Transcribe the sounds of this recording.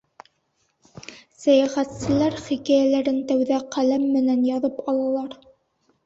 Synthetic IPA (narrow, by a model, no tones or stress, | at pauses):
sæjæχæt̪sɘ̆læɾχikæjælæɾɘnt̪æwðæqælæmːɘ̆nænjɑðɤpɑlˠɑlˠɑɾ